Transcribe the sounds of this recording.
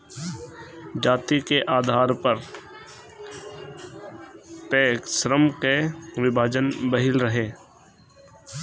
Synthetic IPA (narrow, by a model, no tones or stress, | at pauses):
d͡ʒaːt̪ikeʔaːd̪ʱaːɾpəɾ | peːksɾəmkeʋɪbʱaːd͡ʒənbəɦɪlɾəɦeː